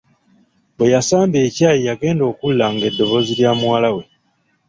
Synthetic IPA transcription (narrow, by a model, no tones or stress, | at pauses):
bwe̞jasaːmbe̞ːcaːjijaɡe̞ːndo̞ːkulːaŋɡe̞dːo̞βo̞ziljaːmwaːlawe̞